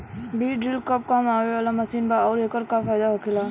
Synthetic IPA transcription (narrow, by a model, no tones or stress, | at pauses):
biːɖɾɪlkəp̚kamaːʋeʋaːlamɐsiːnbaɔːɾeːkəɾkafaːjd̪aɦokʰelaː